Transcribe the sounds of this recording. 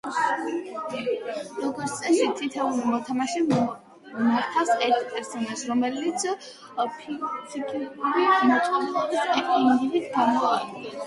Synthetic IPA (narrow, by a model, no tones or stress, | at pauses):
ɾɔɡɔɾt̪ʰt̪sʼɛʃit̪ʰit̪ʰɛulimɔt̪ʰamaʃi | maɾt̪ʰafsɛɾt̪ʰpʼɛɾsɔnaʃɾɔmɛlit̪sʰ | iikʰiɾimɔt̪ʼɔnɛɔbisɛk̪ʰʼɔniilit̪ɡamɔaɾɛɛ